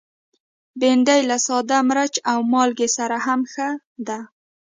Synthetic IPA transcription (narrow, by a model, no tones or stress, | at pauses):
benɖajlasɑd̪amɾat͡ʃawmɑlɡesaɾahamxa | d̪a